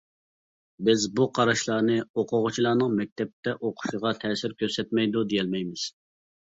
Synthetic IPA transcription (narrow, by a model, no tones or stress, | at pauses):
bɪzbuqʰɑɾɑʃlˠɑːnɨoqʰʊʁʊt͡ʃʰilˠɑːnɨŋmɛk̚ʲt̪ʰɛp̚t̪ʰɛʔoqʰʊ̥ʃəʁɑt̪ʰɛːsɪɾkʲʰøsɛt̪mɛjd̪ud̪ejɛlmɛjmɪz̥